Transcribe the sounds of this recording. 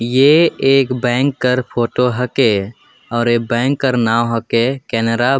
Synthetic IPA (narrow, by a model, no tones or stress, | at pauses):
jeeːkbɛ̃ːŋkːəɾpʰoːʈoɦəke | ɔːɾek̚bɛ̃ːŋkːəɾnaːwɦəkekɛːnəɾa